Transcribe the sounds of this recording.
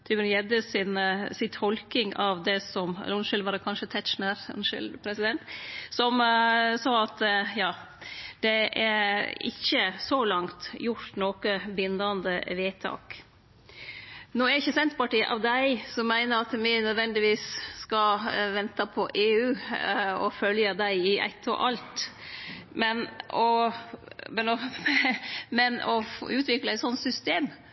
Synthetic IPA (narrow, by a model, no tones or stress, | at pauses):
t̪ʰymənjɛd̪əsɪnsɪt̪ʰɔlkɪŋɑʋd̪ɛsɔmɾʊnʃɪlʋɑːɾkʰɑnʃət̪ʰæt̪ʃnəɾʊ̰nʃɪ̰lpʰɾɛsɪd̪ɛnt̪sɔmsɑːɑt̪jɑː | d̪̥ɛʔæɪ̰çːəsɔlɑŋt̪jʊɾʈ̪noːkəbɪnːɑnd̪əʋeːt̪ʰɑ̰ːk | nɔæɾɪçəsɛnt̪əpɑʈiːə̰ʔɑ̰ʋd̪æɪsɔmːæɪnəɾɑt̪mɪnœd̪ʋɛnd̪ɪʋiːsskɑʋɛnt̪əpʰɔʔeːʉːɔfœljəd̪æɪɪʔæ̰t̪ʰːɔ̰ʔɑlt̪ | mɛnʔɔ | mɛnɔ | mɛnɔ̰fʉːt̪ʋɪkləæɪt̪sɔnsʏst̪eːm